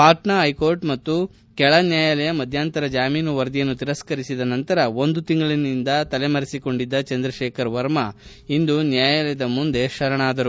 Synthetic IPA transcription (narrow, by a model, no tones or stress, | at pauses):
paːʈnɐɦɐjkoːɾɖmɐt̪ːu | kɛɭɐnjaːjɐlɛjɐmɐd̪ʱjaːnt̪ɐɾɐd͡ʒaːmiːnuʋɐɾd̪ijɐnːut̪iɾɐskɐɾisid̪ɐnɐnt̪ɐɾɐo̞nd̪ut̪iŋɡɐɭinind̪ɐt̪ɐlemɐɾisiko̞ɳɖid̪ːɐt͡ʃɐnd̪ɾɐʃeːkʰɐɾʋɐɾmɐ | ind̪unjaːjɐlɛjɐd̪ɐmund̪e̞ʃɐɾɐɳaːd̪ɐɾu